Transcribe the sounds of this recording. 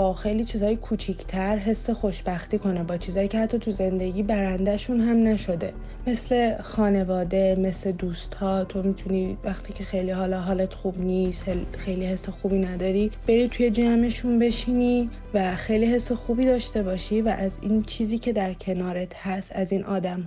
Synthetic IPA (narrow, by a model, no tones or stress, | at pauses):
bɒxejliːt͡ʃʰiːzɒːjekʰuːt͡ʃʰicʰt̪ʰæɾɦe̞sːe̞xo̞ʃbæxt̪iːkʰo̞nebɒːt͡ʃʰiːzɒːjiːcʰehæt̪ʰːɒːt̪ʰuze̞nd̪e̞ɟiːbæɾænd̪æʃunɦæmnæʃo̞d̪e̞̰ | me̞sle̞xɒːne̞vɒːd̪e̞me̞sle̞d̪uːst̪hɒːt̪ʰo̞mit̪ʰunivæxt̪ʰiːcʰe̞xejlihɒːlɒɦɒːlet̪xuːbniːst̪helxejliːhe̞sːexuːbinæd̪ɒːɾib̥e̞ɾiːt̪ʰuje̞d͡ʒæme̞ʃunbe̞ʃiːni | væxejliːhe̞sːe̞xuːbiːd̪ɒːʃt̪e̞bɒːʃivæʔæzint͡ʃʰiːziːcʰe̞d̪æɾcʰe̞nɒːɾet̪hæst̪æzinʔɒːd̪æm